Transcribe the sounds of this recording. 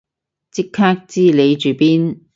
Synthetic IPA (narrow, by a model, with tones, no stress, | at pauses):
t͡sɪ˥kʰːaː˥k̚t͡siː˥˩le˨˧jt͡ʃyː˨˩piː˥n